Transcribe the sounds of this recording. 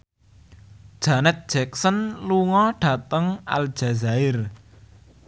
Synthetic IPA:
d̥ʒ̥anɛt̪̚d̥ʒ̥ɛk̚sənluŋɔɖ̥ä̤t̪əŋʔa̰l̥ʒ̥a̤zaɪr

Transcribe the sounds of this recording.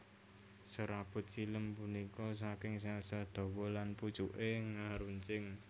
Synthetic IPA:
səɾab̥ʊ̤t̪̚t͡ʃiləmpunikɔs̬akɪŋsasad̪̥o̤wɔlanput͡ʃuʔeŋaɾuɲt͡ʃɪŋ

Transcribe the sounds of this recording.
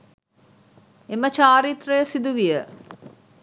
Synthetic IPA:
emət͡ʃaːɾit̪rəjəsid̪uʋijə

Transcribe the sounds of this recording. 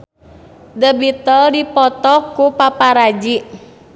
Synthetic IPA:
dəbit̪əldipɔt̪ɔkupapaɾad͡ʒiʔ

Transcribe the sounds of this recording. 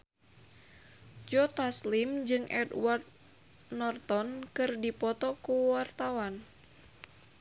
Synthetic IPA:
d͡ʒɔt̪aslimd͡ʒɨŋʔɛ̰dwart̪̚ | nɔrt̪ɔnkɨrdipɔt̪ɔkuwart̪awan

